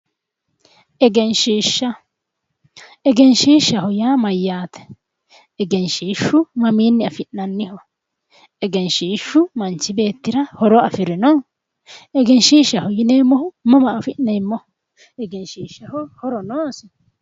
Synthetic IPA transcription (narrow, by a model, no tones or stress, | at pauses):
ʔɛɡɛnʃiːʃːɐ | ɛɡɛnʃiːʃːɐhʊjaːmɐjːaːt̪ɛ̥ | ɛɡɛnʃiːʃːʊmɐmiːnːɪɐfɪʔnɐnːɪhɔ | ɛɡɛnʃiːʃːʊmɐnt͡ʃːɪbe̞ːt̪ːɪɾɐhɔɾɔɐfɪɾɪnɔ | ʔɛɡɛnʃiːʃːɐhʊjɪnɛjmːɔhʊmɐmɐːfɪʔnːɛjmːɔhʊ | ɛɡɛnʃiːʃːɐhɔhɔɾɔnoːɐsʊ